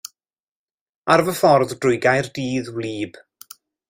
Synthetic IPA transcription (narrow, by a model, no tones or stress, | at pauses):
arvəfɔrðdrʊjɡajrdiːðwliːb̥